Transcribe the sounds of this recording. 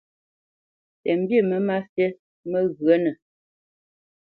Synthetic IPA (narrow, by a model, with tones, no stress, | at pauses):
tɛ˨m̩˦bjə˦˨mə˦ma˦fjɛ˦ | mə˦ɣɰə˦nə˨